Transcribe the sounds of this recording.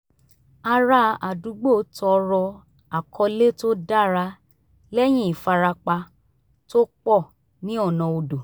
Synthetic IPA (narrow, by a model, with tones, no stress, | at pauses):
a˧ɾa˧˦a˨du˨˦ɡ͡bo˦tɔ˧ɾɔ˧ | a˨kʰɔ˧le˦to˦da˦˨ɾa˧˦ | lɛ˦j̃ĩ˦i˨fa˧ɾa˧k͡pa˧ | to˦k͡pɔ˦˨ | nĩ˦ɔ˦˨nã˨o˧do˨